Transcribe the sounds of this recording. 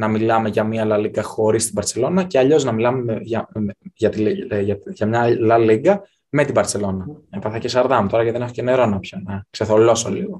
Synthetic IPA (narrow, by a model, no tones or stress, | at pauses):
nɐmilɐme̞ʝɐmiɐlɐliɡɐxo̞ɾist̪ibɐɾt͡sse̞lo̞nɐceɐʎo̞znɐmilɐmeʝɐʝɐt̪iɐʝɐmɲɐlɐliɡɐ | me̞t̪ibɐɾse̞lo̞nɐepɐθɐcesɐɾðɐmut̪oɾɐceðenexoceneɾo̞nɐpçonɐkse̞θo̞lo̞solḭɣo